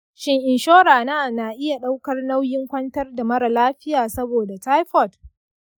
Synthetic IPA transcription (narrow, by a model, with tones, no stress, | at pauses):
ʃɪ˦ŋʔɪ˨nʃoː˦ɾaː˨naː˦na˨ʔɪ˦ja˨ɗa˦wkɐ˦rna˦wjɪ˦ŋkʷɐ˦ntɐ˦rda˨mɐ˦ɾa˨laː˦ɸɪ˦jaː˨sɐ˦boː˨da˨ta˦jɸɔ˨t